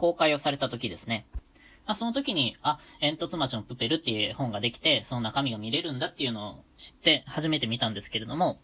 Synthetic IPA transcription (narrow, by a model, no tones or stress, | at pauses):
ko̞ːkaio̞saɾe̞t̪at̪o̞kʲid̪e̞sɨne̞ | maso̞not̪o̞kʲiɲ̟iaẽ̞nt̪o̞t͡sɨmat͡ɕinopɯ̟pːe̞ɾɯ̟t̪ːeɯhõ̞ŋɡad̪e̞kʲi̥t̪e̞so̞no̞nakamʲiɡamʲiɾe̞ɾɯ̟̃nd̪at̪ːe̞iɯ̟no̞ːɕi̥t̪ːe̞haʑime̞t̪e̞mʲit̪ãnd̪e̞sɨ̥ke̞ɾe̞d̪o̞mo̞